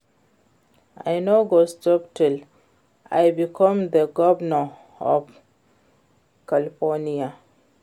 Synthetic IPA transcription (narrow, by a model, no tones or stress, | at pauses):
a̰jnoɡostɔp̚tʰil | a̰jbikʰɔ̃md̪əɡɔvnə | ɔ̰f | kalifɔnia